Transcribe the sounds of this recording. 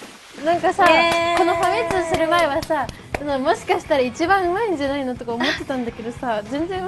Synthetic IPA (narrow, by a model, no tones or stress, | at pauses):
nãŋkasako̞no̞hamʲet͡sɨosɨɾɯ̟mae̞βasa | nomo̞ɕi̥kaɕi̥t̪aɾait͡ɕibãɰ̃ɯ̟maiɲ̟d͡ʑanainot̪o̞kaomo̞t̪ːe̞t̪ãnd̪ake̞d̪o̞sazẽ̞nd͡zẽ